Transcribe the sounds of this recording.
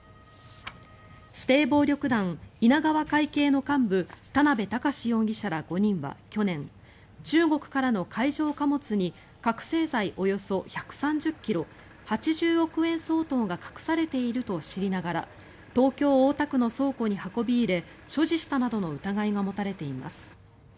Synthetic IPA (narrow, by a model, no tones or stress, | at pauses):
ɕi̥t̪e̞ːbo̞ːɾʲo̞kɯ̟d̪ãŋinaɡaβ̞akaike̞ːno̞kãmbɯ̟t̪anabe̞t̪akaɕijõ̞ɡʲiɕaɾaɡ̥o̞ɲ̟ĩɰ̃βa̰kʲo̞nẽ̞ŋ | t͡ɕɨːɡo̞kɯ̟̥kaɾano̞kʰaiʑo̞ːkamo̞t͡sɨɲ̟i | kakɯ̟̥se̞ːzaiʔo̞jo̞so̞çakɯ̟̥sãɲ̟d͡ʑɨkʲːiɾo̞ | hat͡ɕiʑɨːɾo̞kɯ̟ẽ̞ɰ̃so̞ːt̪õ̞ŋɡakḁkɯ̟̥saɾe̞t̪e̞iɾɯ̟t̪o̞ɕiɾʲinaɡaɾa̰ | t̪o̞ːkʲo̞ːoːt̪akɯ̟no̞so̞ːko̞ɲ̟ihako̞bʲiːɾe̞ | ɕo̞ʑiɕi̥t̪anad̪o̞no̞ɯ̟t̪aɡaiɡamo̞t̪aɾe̞t̪e̞ima̰sɨ̥